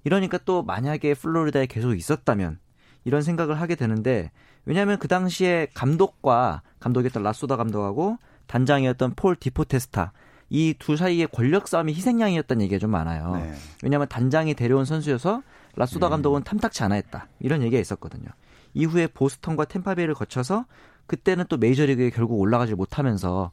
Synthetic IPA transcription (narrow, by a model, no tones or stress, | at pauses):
iɾʌɲik͈at͈oma̰ɲaɡe̞ɸʰɯɭːoɾidaeke̞s̬ʰoɡis͈ʌt̚t͈amjʌ̰n | iɾʌnsʰeŋɡaɡɯɭɦaɡe̞dwenɯnde̞ | wʔe̞ɲaːmjʌnkɯdaŋɕʰie̞kamdok̚k͈wakamdoɡiʌt͈onlas͈odaɡamdoɡɦaɡo | tand͡ʑaŋiʌt̚t͈ʌnpʰoɭtipʰotʰe̞sʰɯ̥tʰa̰ | itus̬ʰaie̞kwʌʎːʌk̚s͈amiçisʰe̞ŋɲaŋiʌt̚t͈ʌnje̞ɡiɡat͡ɕomːa̰na̰jo̰we̞ɲaːmjʌntand͡ʑaŋite̞ɾjʌuns̬ʰʌns̬ʰujesʰʌ | lʔa̰s͈odaɣamdoɡɯntʰamtʰak̚t͡ɕʰianaet̚t͈a̰iɾʌnje̞ɡiɡais͈ʌt̚k͈ʌdɯ̰ɲo̰ | iɸue̞posʰɯ̥tʰʌŋɡwatʰe̞mpʰabeɾɯɭkʌt͡ɕʰʌs̬ʰʌ | kɯt͈e̞nɯnt͈ome̞id͡ʑʌɾiɡekjʌɭɡuɡoɭːaɣad͡ʑimotʰamjʌnsʰʌ̰